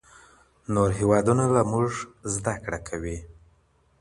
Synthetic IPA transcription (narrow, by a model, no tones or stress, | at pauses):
noɾɦewɑd̪unabamuʐzd̪akɽakʰawi